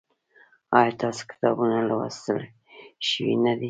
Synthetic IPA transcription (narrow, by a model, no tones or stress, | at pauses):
ɑjɑt̪ɑso̥kɪ̥t̪ɑbunalawa̰st̪əl | ʃəwḭnad̪i